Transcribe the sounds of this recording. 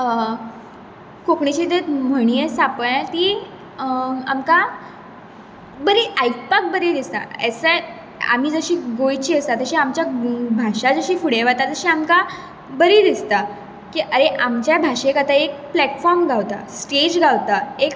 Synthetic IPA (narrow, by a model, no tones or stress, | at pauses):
kokɳit͡ɕid̪et̪m̤əɽ̃ijesapəɭãt̪iː | amka | bəɾiʔajkpak̚bəɾid̪ist̪a̰ɛsə | a̰m̤iːd͡zəɕiːɡojt͡ɕiːəst̪at̪əɕiːamt͡ɕjabʱaɕad͡zəɕiːfuɽeʋat̪at̪əɕiːamka | bəɾid̪ist̪a | kiːʔəɾeʔamt͡ɕjabʱaʂekat̪aek̚plɛʈfɔɾmɡʱaʋt̪a̰sʈed͡ʑɡʱaʋt̪aek